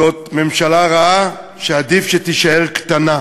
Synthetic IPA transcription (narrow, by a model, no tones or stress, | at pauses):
ot̪me̞mʃalaʁaa | ʃead̪ifʃet̪iʃaeʁkt̪ana